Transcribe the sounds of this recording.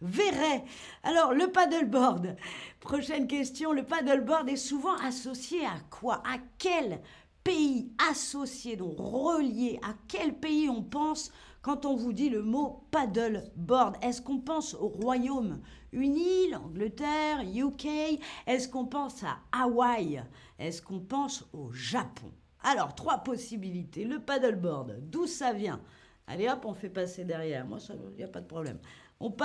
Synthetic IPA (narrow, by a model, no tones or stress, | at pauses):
vɛʁɛ | a̰lɔʁləpad̪əlbɔʁd̪pχɔʃɛnk̬ʲɛst̪jɔ̃ləpad̪ɔlbɔʁd̪ɛsuvɑ̃ʔasɔsjeakʰwaʔakʲɛl | peiasɔsjed̪ɔ̃kʁəljeʔakʲɛlpeiɔ̃pɑ̃s | kɑ̃t̪ɔ̃vud̪iləmopad̪œlbɔʁd̪ɛskɔ̃pɑ̃soʁwajom | ynilɑ̰̃ɡlət̪ɛʁjukʲɛɛskɔ̃pɑ̃sa̰awaj | ɛskɔ̃pɑ̃soʒapʰɔ̰̃ | alɔʁt̪χwapɔsibilit̪eləpad̪ɔlbɔʁd̪d̪usavjɛ̰̃ | a̰leapɔ̃fɛpased̪ɛʁjɛʁmwa̰sailjapad̪əpχɔblɛ̰m | ɔ̃p